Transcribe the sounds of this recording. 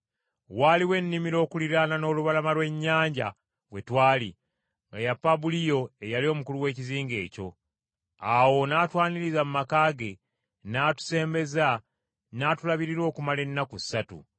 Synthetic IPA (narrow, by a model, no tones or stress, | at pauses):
waːliwe̞nːimiɾo̞ːkuliɾanano̞ːluβalamalwe̞ɲːaːɲɟa̰ | we̞twaːli | ŋɡa̰japːabulijo̞e̞jalio̞ːmukuluwe̞ːciziːŋɡe̞̰ːco̞̰ | awo̞naːtwaːniɾizamumakaːɡe̞ | naːtu̥se̞ːmbe̞za | naːtulaβiɾiɾwo̞ːkumale̞nːakusːatṵ